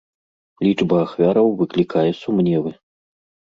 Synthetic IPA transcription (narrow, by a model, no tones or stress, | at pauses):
lʲit͡ʂbɐːxvʲaɾɐwvɨklʲikajɛsumnʲɛvɨ